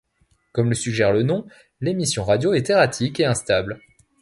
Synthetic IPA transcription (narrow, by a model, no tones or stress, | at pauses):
kɔmləsyɡʒɛʁlənɔ̃ | lemisjɔ̃ʁad̪joɛt̪eʁat̪ʰikeɛ̃st̪abl